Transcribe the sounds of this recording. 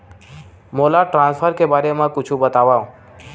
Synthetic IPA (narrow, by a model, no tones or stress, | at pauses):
molaʈɾãnsfʰəɾkebaɾemãkʊt͡ʃʰũbət̪aʋaõ